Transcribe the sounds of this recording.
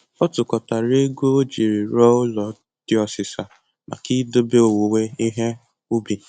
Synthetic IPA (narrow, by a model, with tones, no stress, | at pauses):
ɔ˦tʊ˨kɔ˨ta˨ɾe˦ɡu˦o˦d͡ʒi˨ɾi˨ɾɔ˦ʊ˦lɔ˨ | d̥ɪ˦ɔ˨sɪ˨sa˨ | ma̰˨ki˦do˦be˦o˨wo˨we˦i˦ɦe˦ | u˦bi˨